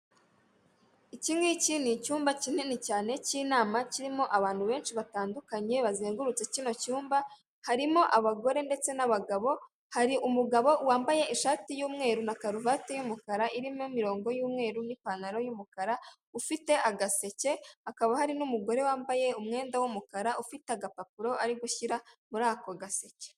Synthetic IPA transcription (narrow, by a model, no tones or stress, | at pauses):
iciːŋɡecinicuːmbacinenicaːne̞ciːnaːmaciɾimo̞ʔaβaːn̥huβe̞ːnʃiβataːndukaɲe̞βazeːŋɡuɾut͡se̞cino̞cuːmba | haɾimo̞ʔaβaɡo̞ɾe̞nde̞t͡se̞naβaɡaβo̞ | haɾiʔumuɡaβo̞waːmbaje̞iʃaːtijuːmŋe̞ːɾunakaɾuvatejumukaɾaʔiɾimomiɾo̞ːŋɡo̞juːmŋe̞ːɾunipanaɾo̞jumukaɾa | ufite̞ʔaɡase̞ce̞akaβahaɾinumuɡo̞ɾe̞waːmbaje̞umŋe̞ːndawumukaɾaufiteaɡapapuɾo̞aɾiɡuçiɾamuɾaːkoɡase̞ce̥